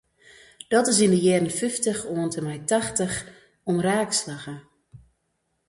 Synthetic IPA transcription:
d̥ɔtɪsindəjɛːrənfɪftəxoːəntəmɛjtaxtəx | ɔmraːkslaɣə

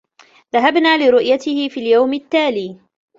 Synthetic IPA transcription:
ðaɦabnaːlɪɾʊʔjat̪ɪhɪfiːljawmɪt̪ːaːliː

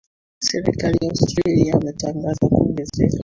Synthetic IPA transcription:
sɛɾḭkalijaostɾaliaimɛtaŋɡazakuŋɡɛzɛ̰ka

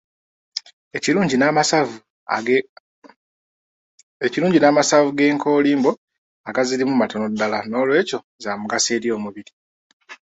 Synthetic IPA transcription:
eiuːɲɟinvu | eciɾuːɲɟinaːmasavuɡe̞ːŋkʰo̞ːliːmbo̞ | aɡazilimumato̞no̞dːalano̞ːlwe̞ːco̞ | zaːmuɡase̞ːɾijo̞ːmuβiɾi

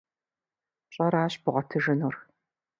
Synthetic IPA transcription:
ɕʼɐɾaːɕbʊʁɐtʰɨʒɨnuːr

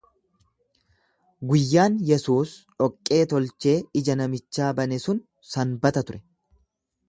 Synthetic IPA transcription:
ɡʊjːaːnjɛsuːsᶑɔkʼːe̞ːt̪ɔlt͡ʃe̞ːɪd͡ʒɐnɐmɪt͡ʃːaːbɐnɛsʊn | sɐnbɐt̪ɐt̪ʊɾɛ

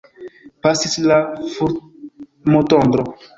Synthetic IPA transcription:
pasislafuɾ | motond̪ɾo

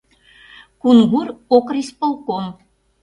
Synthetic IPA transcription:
kunɣuɾokrispolˠkom

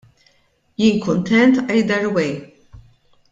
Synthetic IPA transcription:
jiːŋkʊnt̪ɛnt̪ʔɐjd̪ɐɾwɛj

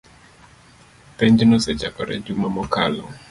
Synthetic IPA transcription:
peɲd͡ʒnɔsɛd͡ʒakɔɾɛ̰d͡ʒumamɔka̰lɔ̰

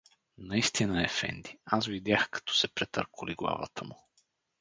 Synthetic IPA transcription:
nɐist̪inəɛfɛ̰nd̪iasvid̪ʲjaxkɐ̥t̪ɔ̥sɛpɾɛt̪ə̰ɾkʊliɡlˠa̰və̰t̪ʰəmʊ

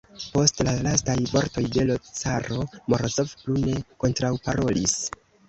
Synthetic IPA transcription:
po̞stlalastajvo̞ɾto̞jde̞lo̞t͡saɾo̞moɾosofplune̞ko̞ntɾawpaɾo̞lis

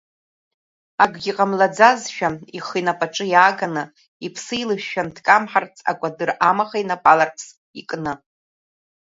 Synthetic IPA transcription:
aɡʷɡʲiqʼamlad͡zazʃᶣaiχinapʼaʈ͡ʂʼɨjaːɡanɨ | ipʰsɨjlɨʃːᶣandkʼamħart͡sʰʼa̰kʷʼadɨramaχainapʼalarpʰs | ikʼnɨ

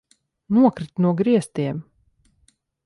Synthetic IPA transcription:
nuɔkɾit̪nuɔɡɾiɛst̪iɛm

